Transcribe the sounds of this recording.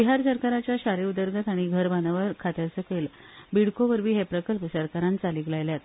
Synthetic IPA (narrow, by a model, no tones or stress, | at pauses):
biɦaɾsəɾkaɾat͡ɕjaɕaɾiud̪əɾɡʱat̪aɽ̃iɡʱəɾbanaʋəɾkʰat̪əɾsəkel | biɽkoʋəɾbiːɦepɾəkəlpsəɾkaɾãnt͡saliklajljat̪